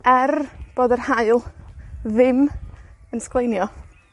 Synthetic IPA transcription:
ɛrb̥oːdərhaɨlˠðɪmənsklˠejnjɔ

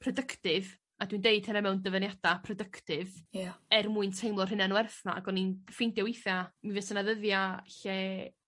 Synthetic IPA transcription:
pʰrɔdəkʰtɪv | adwindeɨd̥̚hɛɾɛmɛwndəvənjadapʰrɔdəktɪvaɛrmuɨntʰejmlˠɔr̥ɪnanwɛrθna̰ʔa̰ɡɔninfɪndjɔwɪθamivesənaðəðjaɬɛ

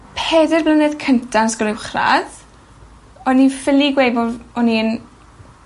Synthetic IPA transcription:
pʰɛːdɪrblənɛð̥kʰəntʰansɡ̥ɔlɪwχra̰ð | ɔnifɪliɡwejbɔɔnin

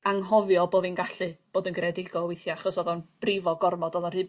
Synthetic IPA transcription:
aŋɦɔvjɔboːðinɡaɬɨb̥oːdənɡrɛdɪɡɔwejθjɔaχɔsɔðɔnb̥rɪvɔɡɔrmɔdɔðɔnr̥ɨ

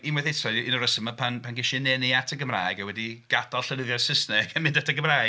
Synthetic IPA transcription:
inmwɛθejtrɔinɔɾəsəmapʰanpʰanɡɪʃinɛniatʰəɡəmra̰ːjɡawɛdiɡ̥adalˠɬəlɪvjɔsɪsnɛɡ̥anmɪ̃ndatʰəɡəmraː

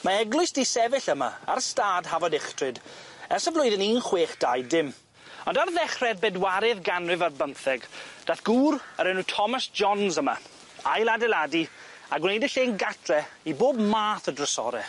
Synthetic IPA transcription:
maɛɡlˠʊɨsdisɛvɪɬəma̰aɾəstaːdhavɔdɪχtrɨd | ɛrsəvlʊɨðəniːnχweːχd̥ajdɪm | ɔndarðɛχrɛd̚bɛdwaɾɪðɡanrɨvarbəmθɛɡd̥aθɡ̥uːrəɾɛnutʰɔmasd͡ʒɔnzəma | ajlˠadɛladi | aɡwʊnejdɪɬeːnɡatʰrɛiboːbmaːθədrəsɔ̰ɾɛ

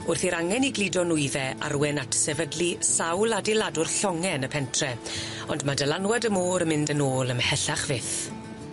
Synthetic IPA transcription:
ʊrθiɾaŋɛniɡlˠidɔnʊɨðɛʔa̰rwɛnatʰsɛvədlisawlˠadɪlˠadʊrɬɔŋɛnəpʰɛntʰrɛ | ɔndmadəlanwadəmoːɾəmɪndənoːlˠəmhɛɬaχvɪθ

